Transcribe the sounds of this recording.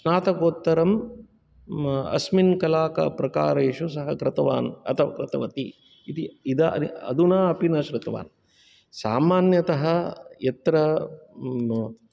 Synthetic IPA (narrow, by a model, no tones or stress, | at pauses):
ʃnaːt̪ɐkoːt̪ːɐɾɐm | ɐ̰sminkɐlaːkɐ̰pɾɐka̰ːɾeːʃusɐɦɐkɾɪt̪ɐʋa̰ːnɐ̰t̪ʰɐʋɐ̰kɾɐt̪ɐʋɐt̪i | it̪iid̪ɐɐ̰iɐ̰d̪unaːɐpinɐʃɾɪt̪ʋa̰ːn | saːmaːnjɐt̪ɐɦɐjɐt̪ɾɐ